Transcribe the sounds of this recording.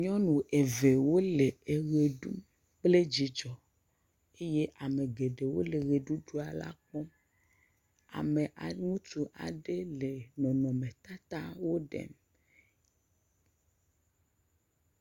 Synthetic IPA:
ɲɔ̃˦nũ˨e˨ve˨wo˦le˨e˨ɣe˨ɖu˦m | k͡ple˦d͡ʑi˨˦d͡ʒɔ˨ | e˦je˦ʔa˨me˨ɡe˨ɖe˨wo̰˦le˨ɣe˨ɖu˦ɖu˦a˨la̰˦k͡pɔ˦m | a̰˨me˨ʔa˨ŋũ˦tu˦ʔa̰˨ɖe˦le˨nɔ̃˨nɔ̃˨mẽ˨t̪a˦t̪a˦wo˦ɖḛ˦˨m

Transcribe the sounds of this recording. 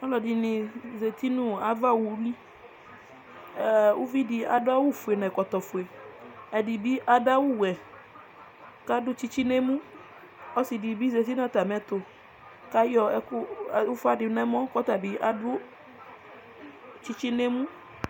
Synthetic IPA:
a˦lɔ˨di˨nĩ˨ze˨t̪i˦nũ˦a˨va˦˨wu˨˦li˦ | ɛ˨wu˦vi˦di˨a̰˨dʊ˦a˦wu˦fu˨e˨nɛ̃˨kɔ˨t̪ɔ˨fu˨e˨ɛ˨di˨bi˦ʔa˦da˦wu˦wɛ˨ | ka˦dʊ˦t͡ʃi˦t͡ʃi˦ne˦mũ˦ | ɔ˦si˨di˨bi˦ze˨t̪i˦n˦a˦t̪a˨mɛ˨˦t̪ʊ˨ | ka˦jɔ˨ɛ˨ku˦˨u˦fa˦di˨˦nɛ˦mɔ̃˦kɔ˦t̪a˨bi˦ʔa˦dʊ˦ | t͡ʃi˦t͡ʃi˦ne˦mũ˦

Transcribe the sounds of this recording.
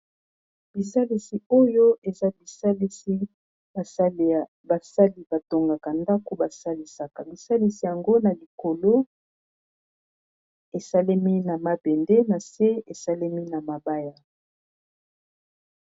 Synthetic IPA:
b̥i˨sa˦li˦si˨o˦jo˦e˨za˦bi˨sa˦li˦si˦˨˦ | ba˨sa˦li˨b̥a˨to˨ŋɡa˨ka˨nda˦ko˦ba˨sa˦li˦sa˨ka˨bi˨sa˦li˦si˨ja˨ŋɡo˦na˨li˨ko˨lo˦ | e˨sa˦le˦mi˦na˨ma˨bɛ˨nde˦na˨se˦e˨sa˦le˦mi˦na˨ma˨ba˦ja˨

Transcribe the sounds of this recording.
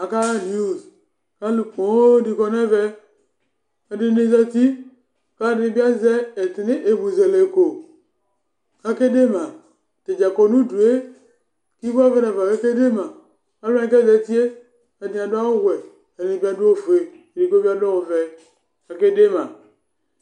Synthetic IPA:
a˨ka˦a˦ni˦u˦˨z | ka˦lu˨ko˨˦di˨kɔ˦nɛ˦vɛ˦ | a˨di˦ne˦za˦ti˦ | ka˦ni˨bi˦a˦zɛ˦ɛ˨te˨ne˦ʔe˨bu˨zɛ˨le˨ko˨ | ka˦ke˦de˦ma˨ | te˨d͡ʒa˨ko˨nu˦du˨e˦ | ki˦ba˦vɛ˦nɛ˨va˨ka˦ke˦de˦ma˨ | a˨˦la˦ni˦kɛ˦˨zɛ˨˦ti˦e˦ | a˨di˨˦a˨du˦a˦o˦wwɛ˨ | a˨ɾi˨ni˨bi˦a˦du˦o˦˨vu˨e˨ | di˨ko˦bi˦a˦dɔ˦o˨vɛ˨ | ka˨ke˦de˦ma˨

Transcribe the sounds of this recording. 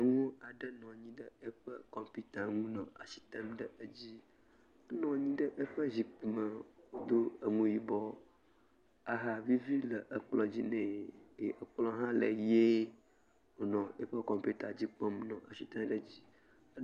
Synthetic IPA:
ŋũ˦a˨ɖə˦nɔ̃˨ɲĩ˦ɖə˦ə˦ɸə˦kɔ˨mpi˦t̪a˨ŋũ˦nɔ̃˨a˨si̥˨t̪ɛ̃˦mɖə˦ə˦d͡ʑi˦ | d̪o˦nɔ̃˨ɲĩ˦ɖə˦ʔə˦ɸə˦zi˨k͡pu˨mə˨wo˦d̪o˦ə˨ŋũ˨ji˨bɔ˦ | a˨ɦa˨vi˦vi˦lə˨ʔə˨k͡plɔ˨d͡ʑi˦nɛ̃˨e˨ʔə˨k͡plɔ˦ɦã˦lə˨je˦ | o˨nɔ̃˨e˦ɸə˦kɔ˨mpi˦t̪a˨d͡ʑi˦k͡pɔ̃˦mnɔ̃˨ʔa˨si˨t̪ã˦mɖə˦d͡ʑi˦

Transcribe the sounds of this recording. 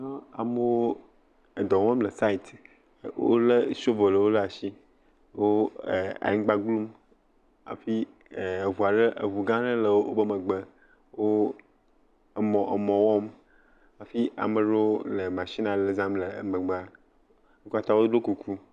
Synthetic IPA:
nɔ˦a̰˨mə˦wo˦ | ə˨d̪ɔ˨wɔ̃˦mlə˨sa˦i˨t̪ | wo̰˦lə˦so˦vo˨lə˨wo˦la˨ʃi˦ | wo˦˨ã̰˨˦ɡ͡ba˦ɡlu˦m | a̰˨fi˦˨ | e˨vu˨a˨ɖə˦ʔə̰˨vu˨ɡã˦ɖə˦lə˨wo˦wo˦bə˦mə˨ɡ͡bə˦ | wo˦˨ | mɔ̃˨ʔə˨mɔ̃˨wɔ˦m | a˨fi˦ʔa̰˨mə˨ɖo˦wo˦lə˨mã˨ʃi˦nã˨lə˦zã˦mlə̰˨mə˨ɡ͡ba˦ | wo˦ka˦t̪a˦wo˦ɖo˦ku˨kʰu˦

